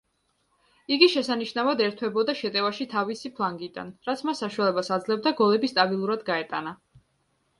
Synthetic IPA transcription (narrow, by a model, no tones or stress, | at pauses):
iɡiʃɛsaniʃnavad̪ɛɾt̪ʰwɛbɔd̪aʃɛt̪ʼɛvaʃit̪ʰavisipʰlˠaŋɡid̪a̰nɾat̪sʰmasːaʃualɛbasad̪zlɛb̚d̪aɡɔlɛbist̪ʼabilˠuɾad̪ɡaɛt̪ʼa̰na